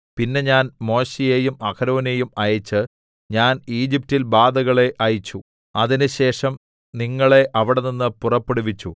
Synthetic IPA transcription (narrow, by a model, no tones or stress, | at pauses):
pinːe̞ɲaːnmo̞ːɕejejumɐkʰɐɾoːne̞jumɐjɐt͡ɕːɨ | ɲaːniːd͡ʑip̚tilbaːd̪ɐɣɐɭe̞ʔɐjit͡ɕːu | ɐðinɨɕe̞ːʂɐm | niŋːɐɭe̞ʔɐʋiɽeninːɨpurɐpːeɽuʋit͡ɕːu